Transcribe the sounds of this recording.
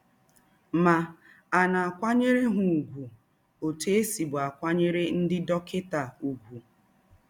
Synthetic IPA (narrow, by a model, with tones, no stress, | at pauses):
ma˨ | a˨na˨a˨kʷa˦ɲe˦ɾe˦ɦʊ˨u˨ɡʷu˨ | o˨te˦si˨bʊ˨a˨kʷa˦ɲe˦ɾe˦n̩˦dɪ˦dɔ˦kɪ˦ta˨u˨ɡʷu˨